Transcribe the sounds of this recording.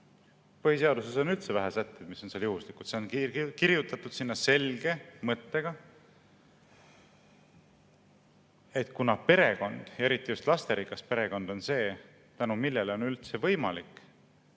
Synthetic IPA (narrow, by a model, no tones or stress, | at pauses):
pɤhis̬e̞ɑd̪useso̞nylt̪se̞væɦæsæt̪ːˑed̪̥miso̞nseːljuhuslikˑu̥se̞onkiɾjut̪ːˑɑt̪ːˑud̪̥sinːɑse̞lɡ̥e̞mɤt̪ːe̞ɡ̥ɑ | e̞t̪ːˑkunɑpe̞ɾe̞ko̞nd̪̥jɑeɾit̪ːˑijust̪lɑst̪e̞ɾikːˑɑspe̞ɾe̞ko̞nd̪̥o̞nse̞ː | t̪ænumilːe̞leo̞nylt̪se̞vɤ̞jmɑlikˑ